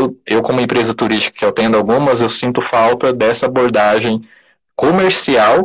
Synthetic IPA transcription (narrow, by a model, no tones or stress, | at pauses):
wewkõmʊẽpɾezɐt̪uɾiʃt͡ʃi̥kɐ̥kɪewt̪ẽnd̪ʊawɡũmɐzewsĩnt̪ʊfawt̪ɐd̪ɛsɐaboɾd̪aʒẽj̃ | komeɾsiaw